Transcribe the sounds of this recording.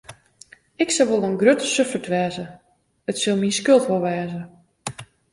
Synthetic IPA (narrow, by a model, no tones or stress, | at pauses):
ɪksɔʋolˠənɡrøtəsøfətʋɛːzə | ətsɪlˠminskølˠtʋolˠʋɛːzə